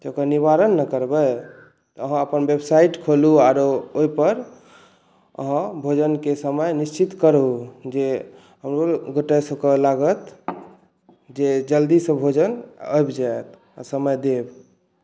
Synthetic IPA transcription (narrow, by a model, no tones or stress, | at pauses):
t̪okəɾniβaɾənːəkəɾbəj | t̪ɔəɦãəpənbebsaiʈkʰoluaɾooipəɾ | ə̰ɦãbʱod͡ʒənkesəməjnist͡ʃit̪kəɾud͡ʒe | ɦəmɾoɡəʈəsəbkəlaɡət̪ | d͡ʒed͡ʒəld̪isə̃bʱod͡ʒənəjbd͡ʒaet̪ | a̰səməjd̪eb